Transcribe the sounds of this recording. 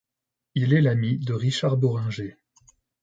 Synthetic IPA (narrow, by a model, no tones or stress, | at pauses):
ilɛlamid̪əʁiʃaʁbɔʁɛ̃ʒe